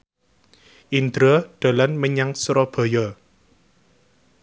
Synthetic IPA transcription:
ʔind̪ɾɔɖ̪̥a̤lanməɲaŋsɾɔb̥ɔ̤jɔ

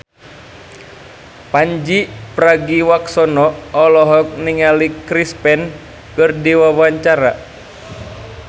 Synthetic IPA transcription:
paɲd͡ʒipɾaɡiwaksɔnɔːlɔɦɔk̚niŋalikɾispɛn | kɨrdiwawaɲt͡ʃaɾa

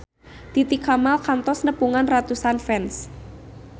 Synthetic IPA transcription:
t̪it̪ikamalkant̪ɔsnəpuŋanrat̪usanfɛns

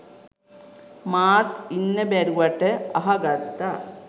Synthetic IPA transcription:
maːt̪inːɐbɐɾuʋɐʈːeɐɦɐɡɐɾt̪ːɐ

